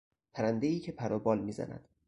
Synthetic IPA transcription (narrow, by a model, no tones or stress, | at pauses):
pʰæɾænd̪eiːcʰe̞pʰæɾɒːbɒːlmiːzæ̰næ̰d̪̥